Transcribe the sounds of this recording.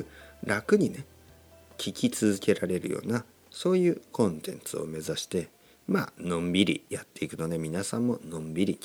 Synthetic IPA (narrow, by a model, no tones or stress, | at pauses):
ɾakɯ̟ɲ̟ine̞ | kʲʰikʲit͡sɨzɨke̞ɾaɾe̞ɾɯ̟̰jo̰ːna | so̞ːjɯ̟ːkõ̞nt̪ẽ̞̰nt͡sɨo̞̰me̞zaɕi̥t̪e̞ | ma̰ːnõ̞mbʲiɾʲḭjat̪ːe̞ikɯ̟no̞d̪e̞mʲinasãmːo̞nõ̞mbʲiɾʲi